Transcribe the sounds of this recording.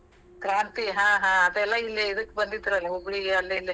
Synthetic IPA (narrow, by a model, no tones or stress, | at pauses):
kɾaːnt̪iɦãːɦãːɐd̪ɐɛlːailːeid̪ɐkːebɐnd̪id̪ːiɾɐlːiɦoɡɽiɡeɐlːilːi